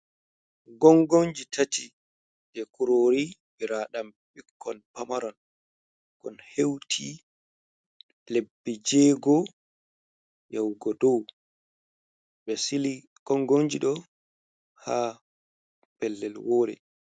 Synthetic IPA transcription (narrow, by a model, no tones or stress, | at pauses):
ɡɔŋɡoɲd͡ʒitʰati | d͡ʒɛkuɾoːɾibiɾaːɗam | ɓikːɔnpamaɾɔn | kɔnhewtʰi | lebːɛd͡ʒɛːɡɔ | jawɡɔdɔw | ɓɛsili | ɡ̥ɔŋɡoɲd͡ʒiɗɔ | ha | pɛlːɛlwoːɾɛ̰